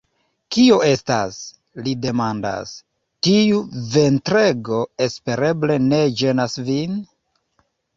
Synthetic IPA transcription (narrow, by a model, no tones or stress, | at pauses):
kio̞e̞sta̰s | lide̞manda̰s | tiuve̞ntɾeɡo̞e̞spe̞ɾe̞ble̞ne̞d͡ʒe̞nasvin